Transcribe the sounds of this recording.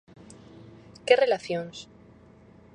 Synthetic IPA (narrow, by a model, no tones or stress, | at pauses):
kere̞laθjons